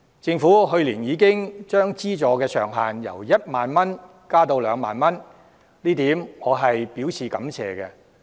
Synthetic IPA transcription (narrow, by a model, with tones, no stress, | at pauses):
t͡sɪ˧ŋfuː˨˥ɦɵ˧ɥliː˨˩njiː˨˧˥k̬ɪ˥ŋt͡ʃœː˥ŋt͡siː˥t͡sɔː˨˧kɛː˧sœ̰ː˨˩ŋɦaː˨njɐ̰˨˩wjɐ˥t̚maː˨nmɐ˥n | kaː˥t̪o˧wlœː˨˧ŋma̰ː˨nmɐ˥n | liː˥t̪iː˨˥mŋɔː˨˧ɦɐ˨jpiː˨˥wsiː˨˩kɐ˨˥mt͡sʰɛ̰ː˨˩ɡɛ˧